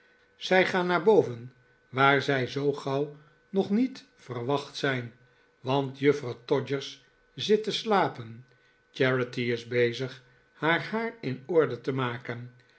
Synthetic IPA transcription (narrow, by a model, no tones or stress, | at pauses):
z̥ɛjχaːnːaːɹbowvən | ʋaːɹzɛjzowχɑw | nɔχnit | fərʋɑχtsɛjn | ʋɑntjɵfrɑwtɔd͡ʒəɹs | zɪtəslaːpən | t͡ʃɛɹətiɪzbejzəχ | haːɹhaːɹɪnɔɹdətəmaːkən